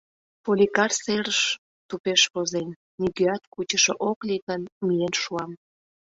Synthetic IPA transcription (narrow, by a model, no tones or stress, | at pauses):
polʲikɑrseɾəʃ | t̪upeʃpozen | niɡøɑt̪kut͡ɕəʃoʔoklikənmijenʃuɑm